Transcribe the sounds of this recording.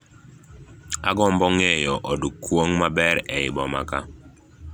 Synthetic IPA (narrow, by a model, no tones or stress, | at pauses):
aɡɔmbɔŋɛjɔʔodukwoŋmabɛɾɛɪbɔma̰ka